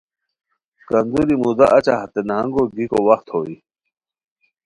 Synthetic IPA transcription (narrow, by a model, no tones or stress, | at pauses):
kɐnd̪uɾimud̪aʔɐt͡ɕaɦɐt̪enɦɐŋɡoɡikowɐxt̪hoːwi